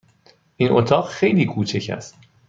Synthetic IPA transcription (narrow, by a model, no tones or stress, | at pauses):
ʔinʔot̪ʰɒːɢxe̞jliːkʰuːt͡ʃʰecʰæ̰st̪